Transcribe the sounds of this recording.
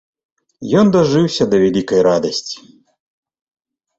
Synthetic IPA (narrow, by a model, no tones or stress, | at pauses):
jɔnd̪aʐɨwsʲɐd̪ɐvʲɛlʲikɐjɾad̪ɐsʲt͡sʲi̥